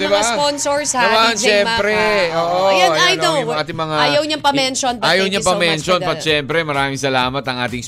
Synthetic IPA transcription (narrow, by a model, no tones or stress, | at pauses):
d̪ɪbaponsoɹsɐmaɐnʃɛmpɾɛʔoːʔojoajnojʊaːt̪ɪŋmɐŋaaːjɐwɲɐpɐmmɛnʃonpɐʔaːjɐwɲɐpɐmɛnʃonpɐt̪̚ʃɛmpɾɛmɐɾaːmɪŋsɐlaːmɐt̪ɐŋʔaːt̪ɪŋs